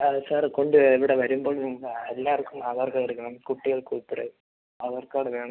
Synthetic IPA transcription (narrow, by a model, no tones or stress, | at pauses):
saːrko̞ɳɖɨeʋiɽeʋɐɾumboːɭniŋːɐɭelːaːɐrkːumaːðaːrkɐɭiɾɯkːɐnɳɐmkuʈːiɣɐɭkuːipːiɽɨ | ɐʋɐrkoːɽeʋeːɳɐm